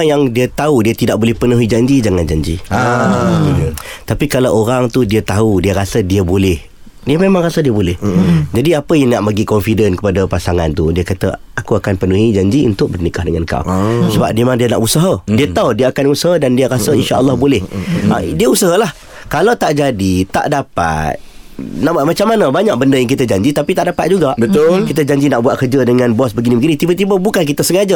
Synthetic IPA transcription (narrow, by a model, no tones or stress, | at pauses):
jaŋdiət̪audiət̪idaʔ̚bolɛhpənuɦid͡ʒaɲd͡ʒid͡ʒaŋand͡ʒaɲd͡ʒḭ | t̪apikalawʔoɾaŋt̪udiət̪audiəɾasədiəbolɪh | diəmemãŋrasədiəbolɪhd͡ʒadiapəjaŋnaʔmaɡikɔnfidənkəpadapasaŋant̪udiəkat̪ə̰ | akuakanpənuɦid͡ʒaɲd͡ʒiṵnt̪ʊk̚bərnikahdəŋanka̰wsəba̰p̚demãŋdiəna̰ʔusəɦədiat̪audiəakanusəɦədandiaɾasəinʃaʔəlːɔhbolɛhʔa̰diəusəɦəlah | kalawt̪aʔd͡ʒadit̪a̰ʔdapa̰t̪̚ | naʔmat͡ʃamːanabaɲaʔ̚bəndəjaŋk̬it̪əd͡ʒaɲd͡ʒit̪apit̪aʔdapat̪̚d͡ʒuɡaʔət̪kit̪əd͡ʒaɲd͡ʒinaʔbuat̪̚kərd͡ʒədəŋanbɔsbəɡinĩbəɡinĩt̪ibət̪ibəbukank̬it̪əsəŋad͡ʒa